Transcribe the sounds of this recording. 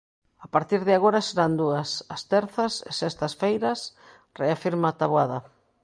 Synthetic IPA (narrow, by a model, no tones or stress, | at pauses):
apaɾt̪iɾðɪaɣoɾɐseɾand̪uɐsɐst̪ɛɾθɐsḛsest̪ɐsfejɾɐs | reafiɾmat̪aβwaðɐ